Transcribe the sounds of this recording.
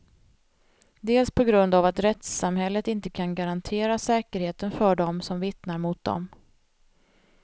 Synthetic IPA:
d̪eːlspʰɔɡɾɵnd̪avat̪ɾɛt̪samhɛlːət̪ɪnt̪əkʰanɡaɾant̪ʰeːɾasɛːkəɾheːt̪ənfœɖɔmsɔmvɪt̪naɾmʊt̪̚d̪ɔ̰m

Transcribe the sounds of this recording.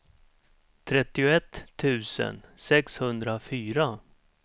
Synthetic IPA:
t̪ʰɾɛt̪ːɪʊɛt̪ʰːʉ̟ːsə̰nsɛkshɵnd̪ɾafyːɾa

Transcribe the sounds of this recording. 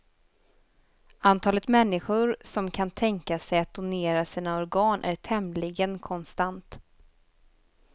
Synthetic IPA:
ant̪ʰɑːlət̪mɛnːɪɧʊɾsɔmkʰant̪ʰɛŋkasɛjat̪̚d̪̥ʊneːɾasiːnaɔɾɡɑːnʔæ̰ɾʈʰɛmlɪɡənkʰɔnst̪ant̪

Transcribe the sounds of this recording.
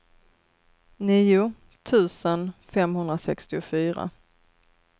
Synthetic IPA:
niːʊ | t̪ʰʉ̟ːsənfɛmhɵnd̪ɾasɛkst̪ɪʊfyːɾa̰

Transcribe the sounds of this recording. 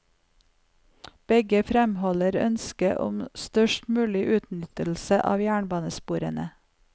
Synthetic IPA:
b̥ɛɡəfɾɛmhɔləɾœ̰nskəʔɔ̰mst̪œʃʈmʉːlɪʔʉːt̪nʏt̪əl̩səʔɑ̰ːʋjæːɳbɑːnəspuːɾənə

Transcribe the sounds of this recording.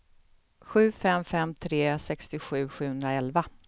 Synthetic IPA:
ɧʉ̟ːfɛmfɛmt̪ʰɾeːsɛkst̪ɪɧʉ̟ːɧʉ̟ːɵnd̪ɾaɛlva

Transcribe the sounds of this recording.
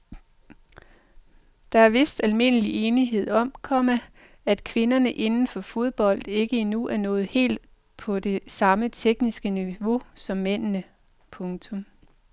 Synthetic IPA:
d̥ɑ̈æɐʋe̝sd̥ælme̝n̰əliʔeːniɦe̝ð̞̰ˠɒ̽m̰kʰɒmæ | æd̥kʰʋe̝nɐnəʔe̝nn̩fɒ̽fo̝ð̞ˠb̥ɒ̽l̰d̥e̝ɡ̥əinuʔæɐnɔ̽ːð̩ˠhe̝̰ːld̥̚ | pʰɒ̽de̝sɑ̈mət͡sʰeɡ̥nisɡ̥əniʋo̝sɒ̽mːen̰nə | pʰɔ̽ŋt͡sʰɔ̽m

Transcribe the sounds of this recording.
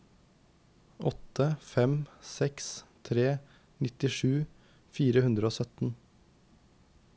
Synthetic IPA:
ʔɔt̪əfɛmsɛkst̪ʰɾeː | nɪt̪ɪʃʉː | fiːɾəhʉnd̪ɾəoːsœt̪n̩

